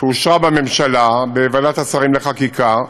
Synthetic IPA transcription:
euʃʁabame̞mʃalabeːvadat̪asaʁimleχakikʰa

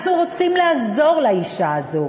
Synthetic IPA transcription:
χnuʁot͡simlaazo̞ʁlaiʃaːzo̞

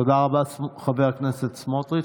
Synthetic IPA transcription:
od̪aʁabaχaveʁkneset̪smot̪ʁi

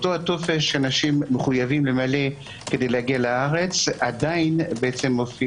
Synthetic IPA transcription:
otohato̞feʃeanaʃimːeχujavimle̞male̞ | ke̞dejleaɡialaaʁe̞t͡sadainbeet͡se̞mːofi

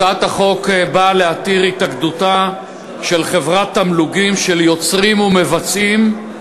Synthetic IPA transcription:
at̪aχo̞kbaleat̪iʁit̪akd̪uta | ʃe̞lχe̞vʁat̪ːamluɡimʃeljo̞t͡sʁimume̞vat͡sim

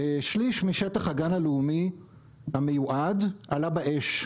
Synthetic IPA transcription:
eʃliʃmiʃetaχaɡanaleumi | hamejuʔadʔalabaʔeʃ

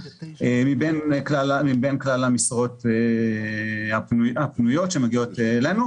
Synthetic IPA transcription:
emibenklalmibenklalamisʁo̞t̪e | hapnujapnujo̞tʃemeɡio̞t̪elenu

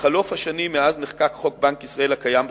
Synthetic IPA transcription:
χalofhaʃanimːeazneχkakχo̞k̚bankisʁae̞lakajamb

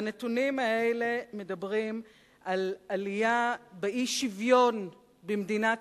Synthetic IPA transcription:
anetunimaeleme̞dɐbʁim | ʔalalijabeʔiʃivjo̞n | bemdina

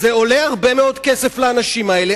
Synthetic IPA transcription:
zeo̞leaʁbe̞meo̞dke̞sefleanaʃimae̞le

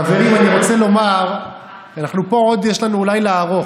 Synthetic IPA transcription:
aveʁimaniʁo̞t͡se̞lo̞maʁ | anaχnupo̞od̪jeʃlanuːlajleaʁo̞

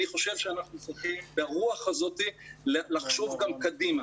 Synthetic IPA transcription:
niχo̞ʃe̞vʃeanaχnusiχimbeaʁuaχazo̞tillaχʃo̞vɡamkadima

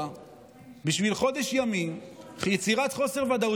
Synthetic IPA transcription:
a | biʃvilχo̞d̪e̞ʃjamimχjet͡siʁat̪χo̞seʁvad̪au

